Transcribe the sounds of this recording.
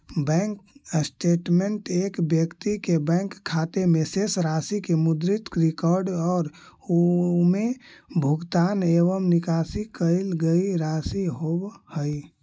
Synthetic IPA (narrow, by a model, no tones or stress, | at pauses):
bɛ̃ŋksʈeːʈmeɳʈekbjəkt̪ikebɛ̃ŋkʰːat̪emesesɾasikemud̪ɾit̪ɾikɔɾɖɔːɾ | omebʱʊɡt̪aːneβəmnikasikəɪlɡəiɾasiɦobhəi